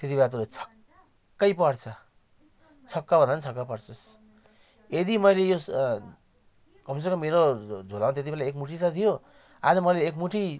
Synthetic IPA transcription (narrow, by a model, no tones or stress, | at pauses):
t̪et̪ibeat̪ulat͡sʰʌ̥kː | ʌjpʌrt͡sʰʌ | t͡sʰʌkːabʱʌnd̪nt͡sʰʌkːapʌrt͡sʰʌs | jed̪imʌjlejos | kʌms̬ʌkomeɾod͡zʱolaw̃nt̪̬et̪̬ibelaek̬muʈʰisat̪ʰijo | ad͡zʌmʌjleek̬muʈʰi